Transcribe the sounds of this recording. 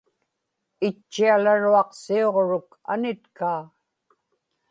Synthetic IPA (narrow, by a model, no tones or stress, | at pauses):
ɪt͡ʃːialaɻuɑqsioʁɻʊk | a̰nɪt̪kaː